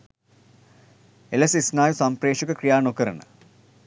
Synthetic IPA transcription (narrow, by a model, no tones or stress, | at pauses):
elesisnaːjusɐmpreːʂukəkrijaːnokəɾɐnə̰